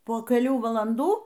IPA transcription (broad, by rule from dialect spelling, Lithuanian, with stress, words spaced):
poː kʲɛˈlʲuː ʋɐlˠɐnˈduː